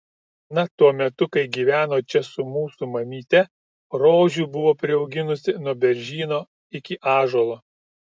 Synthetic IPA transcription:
nɐt̪uɔmʲɛt̪ʊkɐɪɡʲiːʋʲæːnoːt͡ʃʲɛsʊmuːsumɐmʲiːt̪ʲɛ | ɾoːʒʲuːbʊʋoːpʲɾʲɪɒʊɡʲɪnʊsʲɪnuɔbʲɛɾʲʒʲiːnoː | ɪkʲɪʔɑːʒoːlˠoː

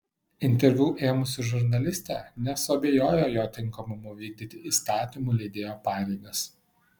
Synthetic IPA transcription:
ɪnʲt̪ʲɛɾʲʋʲuːʔeːmʊsʲɪʒʊɾnɐlʲɪsʲt̪ʲɛnʲɛsʊɐbʲejoːjoːjoːt̪ʲɪŋˑkɐmʊmʊʋʲiːɡ̚d̪ʲɪt̪ʲɪʔiːst̪ɑːt̪ʲimuːlʲɛɪd̪ʲeːjoːpɑːɾʲɛɪɡɐs

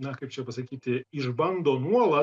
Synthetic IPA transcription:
nɐkɐɪpt͡ʃʲɛpɐsɐkʲiːt̪ʲɪɪʒbɐŋd̪oːnuɔlˠɐ

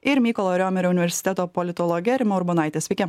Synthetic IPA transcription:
ɪɾmʲiːkɔlˠoːɾʲoːmʲɛɾʲoʊnʲɪʋʲɛɾʲsʲɪ̥t̪ʲɛt̪oːpɔlʲɪt̪ɔlˠɔɡʲɛɾʲɪmʲɛʊɾbɔnɑˑɪt̪ʲɛsʲʋʲɛɪkʲɛ

